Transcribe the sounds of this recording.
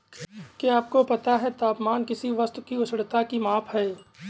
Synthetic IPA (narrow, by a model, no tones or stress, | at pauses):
keaːp̚kopɐt̪aɦɛt̪aːpmaːnkɪsiʋɐst̪kiʊsɽt̪akimaːpʰɦɛː